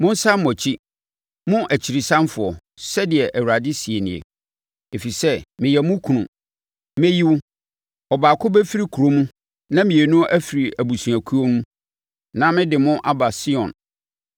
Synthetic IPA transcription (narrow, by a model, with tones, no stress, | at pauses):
mʊ̃˦n˦sa˦mːɔ˨t͡ɕʰi˦ | mʊ̃˦ʔæ˨t͡ɕʰi˨ɾi˨sã˦mfʊ˨ɔ˨ | sɛ˦dɪ˨ɛ˨ʔæ˨wu˨ɾa˨dɪ˦si˨e˨nɪ̃˨ḛ˨ | e˨fi˨sɛ˦mɪ̃˨jɛ˨mʊ̃˦kʰũ˨nʊ̰̃˨ | mɛ̃˦ji˦wʊ˦ | ɔ˨baː˨kʰʊ˦bɛ˦fi˦ɾi˦kʰu˨ɾo˦mũ˦ | nã˦mĩ˨e˨nʊ̃˦ʔæ˦fi˨ɾi˨æ˨bu˨su˨æ˨kʰu˦o˦nũ˦ | nã˦mɪ̃˦dɪ˨mʊ̃˦ʔa˦ba˨sɪ˦ɔ̃˨n